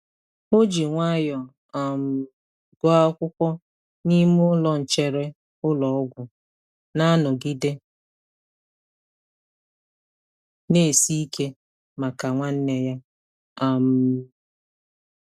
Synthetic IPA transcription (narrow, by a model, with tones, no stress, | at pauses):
mo˦d͡ʒi˨ŋʷa˦jɔ˨ | a˨m̩˨ | ɡɔ˦a˦kʷʊ˦kʷɔ˦ | ni˦m˦ʊ˦lɔ˨n̩˨t͡ʃe˦ɾe˦ | ʊ˦lɔ˨ɔ˦ɡʷʊ˨ | na˦nʊ˨ɡi˦de˦ | ne˦˨si˦i˦ke˦ | ma˨ka˨ŋʷa˦n̩˦ne˨ja˦ | a˨m̩˨